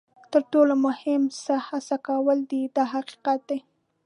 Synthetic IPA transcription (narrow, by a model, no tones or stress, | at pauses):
t̪əɾʈolomʊhɪmsahasakawəld̪id̪ɑɦaqi̥qat̪̚d̪e